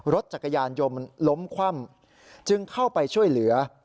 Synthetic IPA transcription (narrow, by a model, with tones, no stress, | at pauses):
ɾo˦˥t̪̚t͡ɕa˨˩kːa˧jaː˧njo˧mlo˦˥mkʰwa˥˩m | t͡ɕɯ˧ŋkʰa˥˩wpa˧jt͡ɕʰu˥˩əjlɯ˩˦ɐ